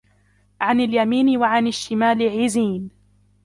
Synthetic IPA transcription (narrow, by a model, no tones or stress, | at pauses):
ʕanaljamiːnɪwaʕanaʃːɪmaːlɪʕiːziːn